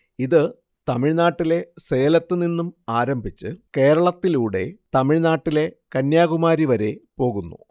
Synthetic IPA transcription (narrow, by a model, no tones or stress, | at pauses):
iðɨ | t̪ɐmiɻnaːʈːile̞seːjɐlɐt̪ːɨninːumaːɾɐmbʱit͡ɕːɨke̞ːɾɐɭɐt̪ːiluːɽe̞̰t̪ɐmiɻnaːʈːile̞kɐnjaːɣumaːɾiʋɐɾe̞po̞ːɣunːṵ